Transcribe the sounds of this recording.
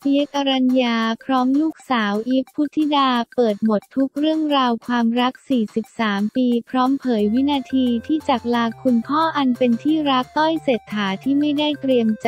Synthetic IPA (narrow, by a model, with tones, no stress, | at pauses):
mi˦ka˧ɾa˧njaː˧pʰɾɔː˦˥mluː˥˩k̚saː˩˦wʔi˦˥kʰːu˦˥t̪ʰːi˦˥daː˧pɤː˨˩t̪̚mo˨˩t̪ʰːu˦˥k̚ɾɯ˥˩əŋɾaː˧wkʰwaː˧mɾa˦˥k̚siː˨˩si˨˩p̚saː˩˦mpiː˧pʰɾɔː˦˥mpʰɤː˩˦jwi˦˥naː˧t̪ʰiː˧t̪ʰiː˥˩t͡ɕa˨˩k̚laː˧kʰu˧npʰɔː˥˩ʔa˧npe˧nt̪ʰiː˥˩ɾa˦˥k̚t̪ɔ˥˩jseː˨˩t̪ʰːaː˩˦t̪ʰiː˥˩ma˥˩jda˥˩jt̪ɾi˧əmt͡ɕ